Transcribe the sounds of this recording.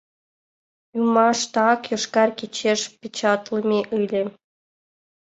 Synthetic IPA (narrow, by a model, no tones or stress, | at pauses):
jumɑʂt̪ɑkjŏʂkɑrkʲet͡ɕːeʃpʲit͡ɕɑt̪lˠɤmʲeʔɯlʲĕ